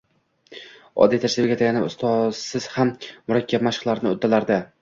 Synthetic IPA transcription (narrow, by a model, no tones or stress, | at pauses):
ɒ̰d̪ijt̪ʰaʃt̪ɪbɡʲat̪ʰaɡʲanɪʊ̰st̪ʰɒsɪz̥hammʊɾakʲːab̚maʃχlaɾɪnɪot̪ʰːalaɾd̪ɪ